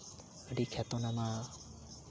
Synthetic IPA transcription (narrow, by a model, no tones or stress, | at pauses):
əɖikʰat̪ɔnama